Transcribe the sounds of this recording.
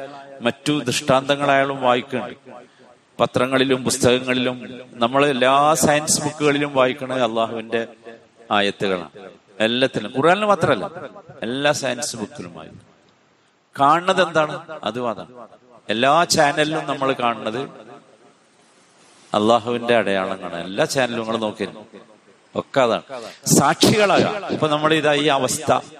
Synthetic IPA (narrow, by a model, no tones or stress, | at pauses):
mɐtːud̪rɨʂʈaːnd̪ɐŋːɐɭaːjaːɭumʋaːjikʲːuɳɖɨ | pɐt̪rɐŋːɐɭilumpust̪ɐɣɐŋːɐɭilumnɐmːɐɭe̞lːaːsajnsɨbukːuɣɐɭilumʋaːjikʲːuɳɐðɨɐlˠːaːɦuʋinde̞ | aːjɐt̪ːuɣɐɭa̰ɳɨ | elːɐt̪ːilumkurjaːlilɨmaːt̪rɐɐlːa̰e̞lːaːsajnsɨbukːɐluma̰ːjḭ | kaːɳɳːɐðe̞nd̪aːɳɨɐ̰ðumɐða̰ːɳ | e̞lːaːt͡ɕaːnɐlilumnɐmːɐɭkaːɳɨɳːɐðɨ | ɐ̰lˠːaːɦuʋinde̞ɐɽɐjaːɭɐŋːɐ̰ːɳɨe̞̰lːaːt͡ɕaːnɐluuŋːɐɭno̞ːkːinːɐ | o̞̰kːeɐða̰ːɳɨsaːʈʂiɣɐɭaːɣa̰mipːonɐmːɐɭiðaːjiːɐʋɐst̪ʰɐ̰